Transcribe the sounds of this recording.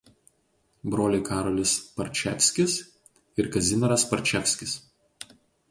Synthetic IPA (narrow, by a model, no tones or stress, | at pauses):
bɾoːlʲɪkɑːɾɔlʲɪspɐɾʲt͡ʃʲɛ̰fʲsʲkʲɪs | ɪɾkɐzʲɪnʲɐɾɐspɐɾʲt͡ʃʲɛfʲsʲkʲɪs